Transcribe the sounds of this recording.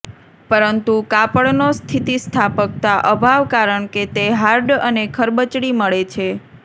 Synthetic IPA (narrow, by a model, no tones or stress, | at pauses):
pəɾənt̪ukapəɭnost̪ʰit̪ist̪ʰapək̚t̪aʔəbʱaʋkaɾəɳket̪eɦaɾɖənekʰəɾbət͡ʃɽiməɭet͡ʃʰe